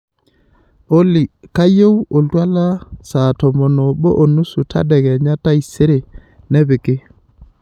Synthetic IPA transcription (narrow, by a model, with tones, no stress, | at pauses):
o˦li˨ka˦jo˦wo˨ltwa˦la˦sa˨tɔ˨mɔ˨nɔ˨bɔ˦ʔo˨nu˦su˨tʰa̰˦dɛ˨ɣɛ˨ɲa˦ta˦i˨se˦ɾe˨ | nɛ˦bɪ˨kɪ˦